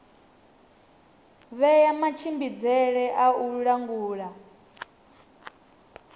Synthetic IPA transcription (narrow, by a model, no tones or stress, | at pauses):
βɛjamat͡ʃʰimbid͡zɛɺɛʔauɺaŋɡuːɺa